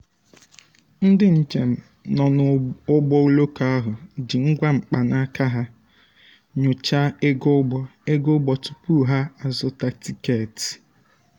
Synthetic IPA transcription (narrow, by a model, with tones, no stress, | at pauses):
n̩˦dɪ˦n̩˨t͡ʃe˨m̩˨ | nɔ˨nʊ˨ʊ˦ɡ͡bɔ˦u˦lo˦ka˦a˦ɦʊ˨d͡ʒɪ˨ŋ̩˦ɡʷa˦ŋ͡m̩˨k͡pa˨na˦ka˦ɦa˦ | ɲʊ˨t͡ʃa˦e˦ɡo˦ɡ͡bɔ˦e˦ɡʊ˦ɡ͡bɔ˨tu̥˨pu˦ɦa˦a˨zʊ˨ta˨ti˦ke˦˨ti̥˨